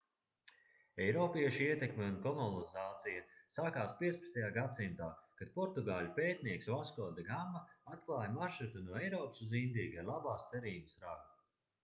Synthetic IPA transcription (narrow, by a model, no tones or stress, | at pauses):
ɛjɾɔːpiɛʃiiɛt̪ekmʲeunkɔmɔnizaːt̪sijasaːkaːspiɛt̪spḁst̪ajaːɡat̪simt̪aːkad̪̥̚pɔɾt̪uɡaːlʲupeːt̪niɛksvaskɔːd̪aɡamːaat̪̚klˠaːjmaɾʃɾut̪unuɔɛjɾɔːpsuzind̪iːɡalˠabaːst̪sɛɾiːubəsɾaɡ